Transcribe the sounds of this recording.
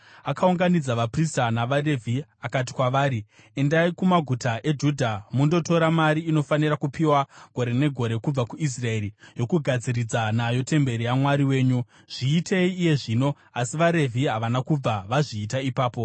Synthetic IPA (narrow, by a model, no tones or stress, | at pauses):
akauŋɡanid͡zaʋapristanaʋare̞vʱiakat̬i̥kwaʋaːɾi | e̞ndaikumaɡʱutaʔe̞d͡ʒudʱamundo̞to̞ɾamaɾiːno̞fanirakupiwaɡ̥ʱo̞ɾe̞ne̞ɡʱo̞ɾe̞kub͡vakuis̬rae̞rijo̞kuɡʱad͡ziɾid͡zanajo̞te̞mbe̞ɾijamwaɾiwe̞ːɲu | ʐ̥iːtʰe̞iːje̞ʐiːno̞ | asiʋaɾe̞vʱiɦaʋanakub͡vaʋaʐiːtaipaːpo̞